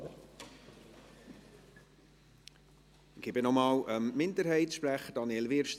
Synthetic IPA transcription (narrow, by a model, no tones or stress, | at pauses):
ɡ̥ɪbɪnɔmɑːləmmɪndəɾhɛɪtʃpræχəd̥ɑnjɛlvɪɾʃt